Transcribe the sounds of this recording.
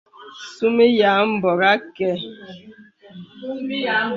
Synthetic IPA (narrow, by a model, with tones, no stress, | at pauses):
su˦me˦ja˨˦m̩˦bɔ˨ɾa˦kɛ˦